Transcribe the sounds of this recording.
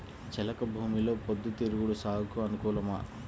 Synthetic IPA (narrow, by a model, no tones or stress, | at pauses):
t͡ʃɛlɐkɐbʱuːmilo̞ːpod̪ːut̪iɾuɡuɽusaːɦɐkuɐnukuːlɐma̰ː